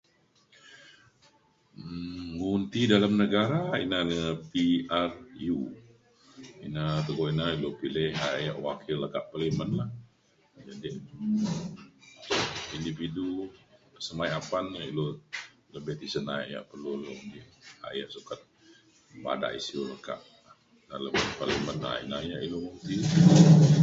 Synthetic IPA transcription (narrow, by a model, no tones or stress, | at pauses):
ŋunt̪idalamnəɡaɾaḭnanəpiarju | ḭnat̪əɡoinailopilɪhajaʔwakʰɪlakaʔpalimənlah | d͡ʒadi | indifidu | səmajapanilo | ləbeht̪isənaaja̰ʔpərlulobɪha̰jaʔsukat̪̚ | ba̰da̰ʔḭsioləka̰ʔ | na̰ləbɪpaliməna̰ḭna̰jaʔilomoŋt̪i